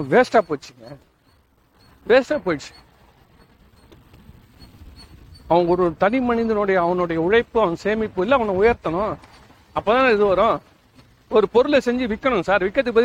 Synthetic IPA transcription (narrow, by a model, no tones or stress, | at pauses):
ʋeːsʈaːpoːt͡ʃːɪŋɡɐ | ʋeːsʈaːpoːjʈt͡ʃːɪ̥ | ɐʋɐŋɡɐɔɾɯt̪ɐnɪmɐnɪnd̪ɯnoːɽɐjɐːʋɐnoːɽɐjɐʊɻɐɪpːɯɐʋɐŋɡɐseːmɪpːɯɪlːɐːʋɐnːɐ̃ʊjɐɾt̪ɐnʊ̃ | ɐpːoːt̪ãːnɪðɯʋɐɾʊ̃ | ɔɾɯpɔɾɯlɐsɛɲd͡ʒɯʋɪkːɐɳʊ̃saːɾʋɪkːɐt̪ːɯkɯpːɐð